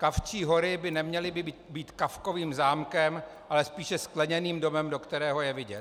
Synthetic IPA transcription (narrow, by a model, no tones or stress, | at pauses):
kaft͡ʃiːɦo̞ɾɪbɪnɛmɲɛlɪbɪbiːbiːt̪kafko̞viːmzaːmkɛm | ʔalɛspiːʃɛsklɛɲɛniːmdo̞mɛmdo̞kt̪ɛɾɛːɦo̞jɛvɪɟɛt